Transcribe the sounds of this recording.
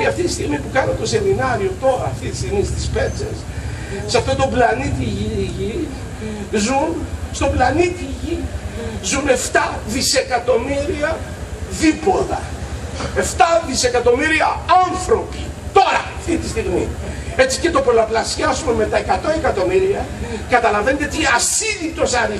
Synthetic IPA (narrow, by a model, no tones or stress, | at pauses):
iɐft̪it̪ist̪iɣmipukɐnot̪o̞se̞minɐɾio̞t̪o̞ɾɐːft̪it̪i̥st̪iɣmist̪ispe̞t͡sḛs | sɐft̪o̞t̪o̞blɐnit̪iʝiʝi | zunst̪o̞blɐnit̪iʝizune̞ft̪ɐðise̞kɐt̪o̞miɾiɐðipo̞ðɐ̰ | e̞ft̪ɐðise̞kɐt̪o̞miɾiɐɐnθɾo̞pit̪o̞ɾɐːft̪it̪ist̪iɣmie̞t͡si̥ce̞t̪o̞po̞lɐplɐsçɐsume̞me̞t̪ɐe̞kɐt̪o̞e̞kɐt̪o̞miɾiɐkɐt̪ɐlɐve̞net̪eot̪iɐsiðit̪o̞sɐɾi